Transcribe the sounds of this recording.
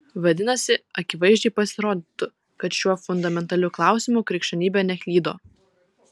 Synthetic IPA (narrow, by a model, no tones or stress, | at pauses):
ʋɐd̪ʲɪnɐsʲɪɐkʲɪʋɐɪʒʲd͡ʒʲɛɪpɐsʲɪɾoːd̪ʲɪt̪ʊ | kɐt̪ʃʲuɔfʊnd̪ɐmʲɛnt̪ɐlʲʊklˠɑˑʊsʲɪmukɾʲɛkʃʲt̪ʲɛnʲiːbʲɛnʲɛxʲlʲiːd̪oː